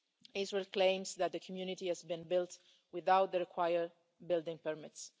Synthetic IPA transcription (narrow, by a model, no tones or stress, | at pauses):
ɪzɹɛlklẽɪ̃msðæt̪̚d̪əkʰɔmjunɪtihæzbĩnbɪlt | wɪðawt̪̚ðəɹɪkʰwajəɹ | bɪldɪ̃ŋpəɹmɪts